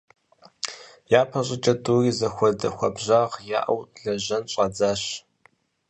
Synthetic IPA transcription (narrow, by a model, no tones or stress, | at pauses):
jaːpʰɐɕʼɪt͡ʃʼɐdʼuːriːzɐxʷɔdɐ̰xʷɐbʑaːʁja̰ːʔɐ̰wɮɐʑɐnɕʼɐd͡zaːɕ